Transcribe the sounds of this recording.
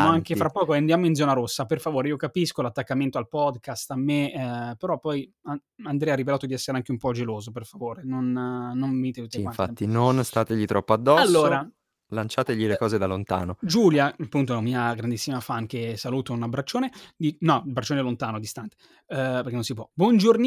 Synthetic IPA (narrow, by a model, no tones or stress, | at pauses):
moaŋkefɾapːɔːkoand̪jamoind̪zɔːnaɾosːaperfavoːɾeiːokapiskolat̪ːakːament̪oalpɔd̪kast̪amːepeɾɔpːɔja | and̪ɾɛaɾivelaːt̪od̪iɛsːeɾeaŋk̟eumpɔd͡ʒeloːzoperfavoːɾenonnommit̪et̪ut̪ːekanfat̪ːinonst̪aːt̪eʎit̪ɾɔpːoad̪ːɔaslːoːɾɾa | lant͡ʃaːt̪eʎilekɔːzed̪alont̪a̰ːnod͡ʒuljapːunt̪oɛlamiːaɡɾand̪isːimafaŋkesaluːt̪ounabɾat͡ʃːoːned̪inɔbɾat͡ʃːoːnelont̪aːnod̪ist̪ant̪e̥ | peɾrkenonsipwɔbwɔnd͡ʒorn